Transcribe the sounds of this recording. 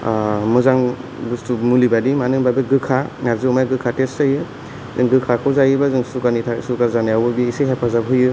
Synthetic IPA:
mɯzaŋbustumulibadimanɯŋbabɯɡɯkʰaŋaɾzɯmajɡɯkʰatestajɯ | zɯŋɡɯkʰakʰɯwzajɯbazɯŋsukanitʰasukaɾzanajawbɯbiiseɦepʰazabɦɯjɯ

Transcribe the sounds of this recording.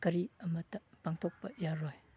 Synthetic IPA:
kɐɾiɐmɐt̪ːɐpaŋt̪ʰɔk̚pɐjaɾoj

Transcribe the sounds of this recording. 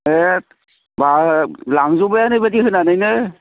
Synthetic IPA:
et̚ | balaŋzubajanɯjbadiɦɯnanɯjnɯ

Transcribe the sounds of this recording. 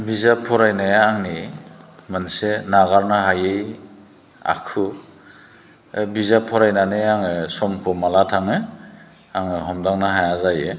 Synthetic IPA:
bizapʰɔɾajnajaːŋni | mansenaɡaɾnaɦajej | a̰kʰɯ | bizapʰɔɾajnaneaŋɯsɔmkʰɔmalatʰaŋɯ | aŋɯɦɔmdaŋnaɦajazajɯ

